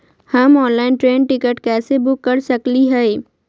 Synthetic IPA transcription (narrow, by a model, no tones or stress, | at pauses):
hɐmɔːnlaːɪnʈɾeːnʈɪkəʈkɛːsebʊkːɐɾsɐkliɦɛ